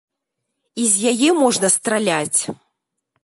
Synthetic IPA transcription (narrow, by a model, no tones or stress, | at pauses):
izʲjajɛmɔʐnɐst̪ɾalʲat͡sʲ